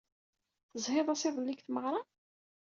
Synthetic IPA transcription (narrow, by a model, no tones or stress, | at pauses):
θəzˤheðˤɑsɪðˤlːiɡθməʁɾˤɑ